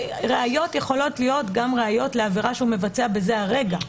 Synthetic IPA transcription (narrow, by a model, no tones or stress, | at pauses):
ʁeajo̞tje̞χo̞lo̞tlijo̞tɡamʁeajo̞tle̞aviʁaʃeume̞vat͡seabe̞ze̞aʁe̞ɡa